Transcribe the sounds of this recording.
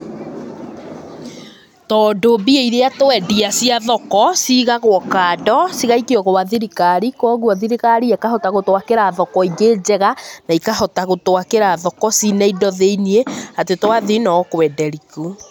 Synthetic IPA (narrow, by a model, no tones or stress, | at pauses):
tɔːdobieiɾeatoɛdiasiaðɔkɔsiɣaɣwɔkaːdɔsiɣaikiɔɣowaðiɾikaɾikɔːɣuaðiɾiɣaɾiɛkahɔtaɣotwakeɾaðɔkɔiɡeːd͡ʑɛɣanaikahɔtaɣotwakeɾaðɔkɔsinɛindɔðeinieatetwaðinɔkwɛdɛɾiku